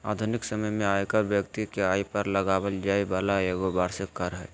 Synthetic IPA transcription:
aːd̪ʱʊnɪksəməjmẽaːjkəɾbjəkt̪ikeaːipɐɾlɐɡaːwəld͡ʒaːibaːlaeɡobaːɾsekɐɾɦɛː

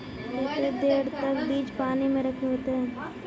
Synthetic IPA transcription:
d͡ʒekɾed̪eːɾt̪əkbiːd͡ʒpaːnimẽɾɐkʰeɦoːt̪eɦɛ̃ː

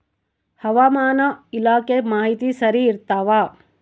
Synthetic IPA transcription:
hɐʋaːmaːnɐilaːkemaːɦit̪isɐɾiːɾt̪aːʋaː

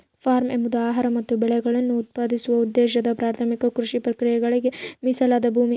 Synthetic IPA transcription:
pʰaːɾmembud̪uaːɦɐɾɐmɐt̪ːubɛɭɛɡɐɭɐnːuːt̪̚paːd̪isuʋɐud̪ːeːʃɐd̪ɐpɾaːɾt̪ʰɐmikɐkɾuʂipɾɐkɾijɛɡɐɭiɡe̞misɐlad̪ɐbʱuːmi

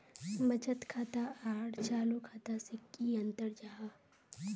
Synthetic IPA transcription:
bɐt͡ʃət̪kʰaːt̪aaːʈʰt͡ʃaːlokʰaːt̪asɪkːiɐ̃nt̪əɾd͡ʒaːɦa

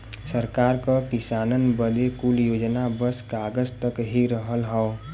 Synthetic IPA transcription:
səɾkaːɾkakɪsaːnənbəd̪ekuljoːd͡ʒnabəskaɡəzt̪əkɦiɾəɦəlɦəo

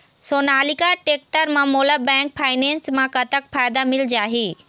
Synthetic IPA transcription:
soːnaːlikaʈeːk̚ʈəɾmãmoːlabɛ̃ːŋk̚pʰaːɪnẽːnsmãkɐt̪ək̚faːjd̪amɪld͡ʑaːɦeː

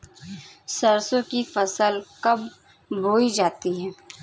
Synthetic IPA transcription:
sɐɾsõkifɐsəlkɐb | bʱoːid͡ʒaːt̪iɦɛː

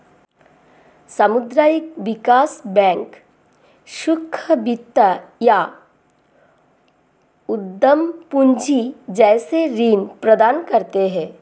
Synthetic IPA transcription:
sɐmʊd̪ɾaːjɪk̚ʋɪkaːsbɛ̃ːŋk | ʃʊkʰːəbit̪ːaja | ʊd̪ːəmpʊɲd͡ʒʱid͡ʒɛːseɾiːnpɾɐd̪aːnkɐɾt̪eɦɛ̃ː

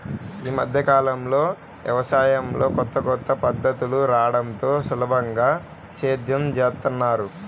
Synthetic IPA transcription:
iːmɐd̪ʱjɐkaːlɐmlo̞ː | ʋjɐ̰ʋɐsaːjɐmlo̞ːkɔt̪ːɐkɔt̪ːɐpɐd̪ːɐt̪uluɾaːɽɐnt̪o̞ːsulɐbʱɐŋɡaː | ʃeːd̪jɐmd͡ʒeːt̪unːaːɾu

